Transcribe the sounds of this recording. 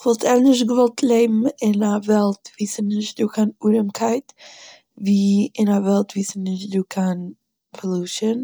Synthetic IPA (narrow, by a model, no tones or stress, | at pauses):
vɔlˠtɛɾnɪʃtɡəvɔlˠtʰlˠeɪbm̩ɪnavɛlˠtviːsənɪʃt̚duːkʰanuɾəmkʰaɪt | viːɪnavɛlˠtviːsənnɪʃduːkʰan | pɔlˠuʃən